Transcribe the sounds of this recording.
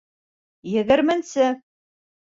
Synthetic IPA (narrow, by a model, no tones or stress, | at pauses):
jɘ̆ɣɘ̆ɾmɘnsɘ